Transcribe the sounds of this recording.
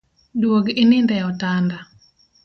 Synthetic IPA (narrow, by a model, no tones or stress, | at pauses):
dwoɡinɪndɛɔtanda